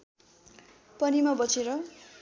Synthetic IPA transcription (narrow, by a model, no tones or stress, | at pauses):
pʌnimʌbʌt͡seɾʌ